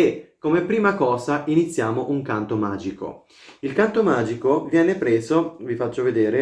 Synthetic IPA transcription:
ekːomepːɾiːmakɔːzaʔinit̪sːjaːmoʔuŋkant̪omaːd͡ʒiko̰ | ilkant̪omaːd͡ʒikovjɛːnepɾɛːzovifat͡ʃːoved̪eːɾe

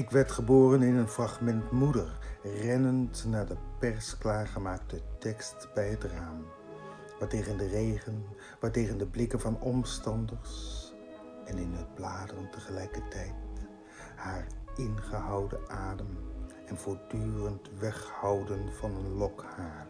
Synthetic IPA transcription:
ɪkʋɛɹtχəboːrənɪnənfrɑχmɛntmudəɹrɛnəntnaːɹdəpɛɹsklaːɹχəmaːktətɛkstbɛjɦətraːm | ʋaːɹtejχəndərejχən | ʋaːɹtejχəndəblɪkənvɑnɔmstɑndəɹs | ɛnɪnɦəd̚blaːdərəntəχəlɛjkəɹtɛjt | haːɹʔɪnχəɦɑwdə̰ʔaːdəm | ɛnvʊːɹdyːrəntʋɛχhɑwdənvɑnənlɔkhaːɹ

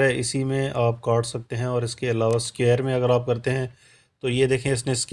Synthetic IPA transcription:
ɦɛɪsimẽʔaːp̚kaːʈʰsɐk̚t̪eɦɛ̃ɔːɾɪskeɐlaːʋaskeːɾmẽɐɡəɾaːp̚kɐɾt̪eɦɛ̃ | t̪ojed̪eːkʰiẽɪs̬nesk

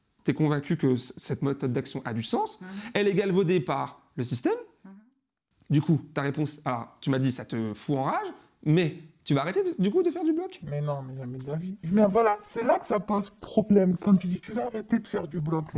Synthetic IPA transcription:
t̪ɛkɔ̃vɛ̃kʲykəssɛt̪met̪ɔd̪̚ːaksjɔ̃ʔa̰d̪ysɑ̃sɛleɡalvod̪epaʁ | ləsist̪ɛm | d̪ykut̪aʁepɔ̃salɔ̰ʁt̪ymad̪isat̪əfuɑ̃ʁaʒ | mɛt̪yvaːʁet̪ed̪əd̪ykud̪əfɛʁd̪yblɔkmɛnɔ̃nɛʒamɛd̪əlaviɛbjɛ̃vwalasɛlakə̥sapozpχɔblɛmkɑ̃t̪yd̪it̪yvaːʁet̪ed̪əfɛʁd̪yblɔk

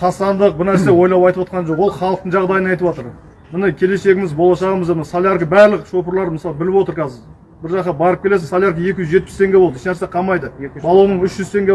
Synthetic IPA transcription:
qʰɑsɑnd̪əq̚bɪɾnæɾse̞wo̞jlˠɑpɑjt̪əpwot̪qɑnʒo̞qwo̞lˠχɑlˠəqt̪əɴʒɑʁd̪ɑjənɑjt̪əpwot̪əɾ | mɪnɪkʲʰe̞le̞se̞ɡʲɪmɪzbo̞lˠɑʃɑʁəməzemɪnsalʲˠjaɾkəbæɾlɪkʃo̞pəɾlˠɑɾməsɑlˠbɪlɪpwo̞t̪əɾkʰɑzɪɾ | bɪɾʒɑqɑbɑɾəpkʲʰele̞sɪzsɑlʲˠjaɾkəje̞kʲɪʒʏzʒe̞t̪̚pɪ̥st̪ʰe̞ŋɡʲe̞bolˠd̪əɪʃnæɾseqʰɑmɑjd̪əbɑlˠonəɴʏʃʒʏzt̪ʰe̞ŋɡʲe

